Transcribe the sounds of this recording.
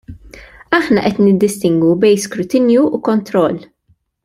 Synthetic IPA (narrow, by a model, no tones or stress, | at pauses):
ɐħnɐʔɛt̪nɪd̪ːɪst̪ɪŋɡwubɛjnskɾʊt̪ɪnjuukɔnt̪ɾɔlː